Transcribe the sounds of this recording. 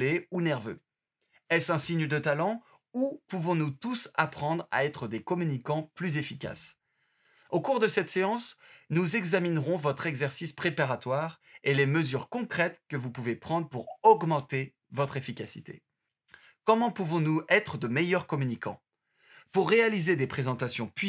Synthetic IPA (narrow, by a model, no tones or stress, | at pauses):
eunɛʁvø̰ | ɛsɛ̃siɲd̪ət̪alɑ̃ | upuvɔ̃nut̪usa̰pχɑ̃d̪ʁa̰ɛt̪χəd̪ekɔmynikɑ̃plyzefika̰s | okuʁd̪əsɛt̪seɑ̃snuzɛɡzaminʁɔ̃vɔt̪χɛɡzɛʁsispχepaʁat̪waʁeleməzyʁkɔ̃kχɛt̪kəvupuvepχɑ̃d̪ʁpuʁɔɡmɑ̃t̪e | vɔt̪χefikʲasit̪ḛ | kɔmɑ̃puvɔ̃nuɛt̪χəd̪əmejœʁkɔmynikɑ̰̃ | puʁːealized̪epχezɑ̃t̪asjɔ̃pɥi